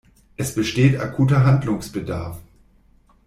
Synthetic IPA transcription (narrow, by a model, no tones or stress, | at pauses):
ʔɛsb̥əʃteːtakʰuːtɐɦandlʊŋsb̥əda̰ɐf